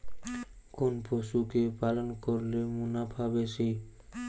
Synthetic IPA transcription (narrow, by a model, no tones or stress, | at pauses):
konpoʃukepalonkoɾlemunabʱabeʃej